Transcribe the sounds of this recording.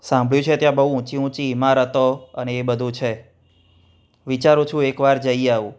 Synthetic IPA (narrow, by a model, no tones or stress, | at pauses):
sãmbʱɭjũt͡ʃʰet̪jãbəɦũũt͡ʃiũt͡ʃiːmãɾət̪oəneːbəd̪ʱũt͡ʃʰe | ʋit͡ʃaɾũt͡ʃʰũekʋaɾd͡ʒəiaʋũ